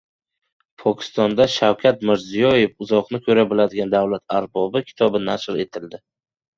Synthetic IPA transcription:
pʰɒkʲʰɪ̥st̪ɒnd̪aʃawkʲʰat̪̚mɪɾzijɒje̞fʊzɒqnɪkʲʰɵɾabɪlad̪ɪɡʲand̪awlat̪ʰaɾbɒbɪkʲʰɪ̥t̪ʰɒbɪnaʃɾe̞t̪ʰɪld̪ɪ

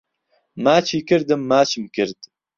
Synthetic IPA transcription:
maːt͡ʃʰiːkɨɾd̪ɨmːaːt͡ʃʰɨmkɨɾd̪

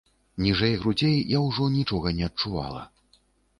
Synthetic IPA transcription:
nʲiʐɛjɣɾud͡zʲejjawʐɔnʲit͡ʂɔɣɐnʲɛɐt̚t͡ʂuva̰lˠɐ̰

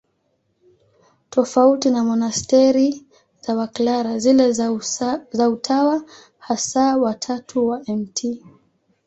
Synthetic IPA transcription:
tɔfautinamɔnastɛɾi | zawaklaɾazilɛ | zautʰawa | hasawatʰatʰuwaʔɛmtʰi

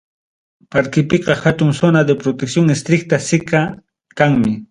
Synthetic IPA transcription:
paɾkɪpeqɑxat̪ʊŋsʊnad̪epɾot̪eksjoŋest̪ɾɪk̚t̪asɪka | kaŋmɪ

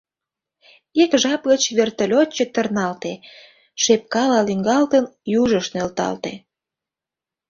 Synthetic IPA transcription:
ekʒɑpɣət͡ɕβert̪əlʲot͡ɕːət̪ərnɑlt̪e | ʃep̚kɑlɑliŋɡɑlt̪ənjuʒəʃnølt̪ɑ̰lt̪e

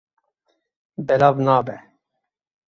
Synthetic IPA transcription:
bɛlavnaːbɛ

